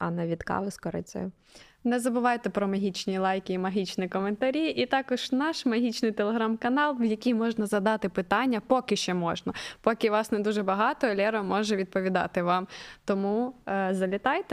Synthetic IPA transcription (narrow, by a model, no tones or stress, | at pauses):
ɐnɛʋʲit̪kɑ̰ʋɪskɔɾɛ̰t͡sʲɛ̰jʊ | nɛzɐbʊʋɑjt̪ɛpɾɔmɐɦʲit͡ʃnʲilˠɑjkʲiːmɐɦʲit͡ʃnikɔment̪ɐɾʲiʔit̪ɑkɔʒ̥nɑʃmɐɦʲit͡ʃnɪjt̪elˠeɦɾamkɐnɑlˠwjɐkʲijmɔʒnɐzɐd̪ɑt̪ɪpɪt̪ɑnʲːɐpɔkɪʃt͡ʃɛmɔʒnɐpɔkʲɪʋɑsnɛd̪uʒɛbɐɦɑt̪ɔɔlʲɛɾɔmɔʒɛʋʲid̪̚pɔʋʲid̪ɑ̰t̪ɪʋɑmt̪ɔmuzɐlʲɪt̪ɑjt̪ɛ